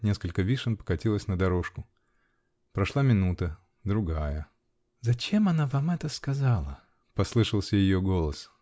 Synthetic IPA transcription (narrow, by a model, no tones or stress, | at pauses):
nʲe̞skəlʲkəvʲiʂənpə̥kɐtʲilˠəsʲnəd̪ɐɾo̞ʂkʊ | pɾɐʂlˠamʲɪnut̪ə | d̪ɾʊɡajə | zɐt͡ɕe̞mɐnavamɛt̪əskɐzalˠə̰ | pɐslˠɨʂəlˠsʲəjɪjoɡo̞lˠəs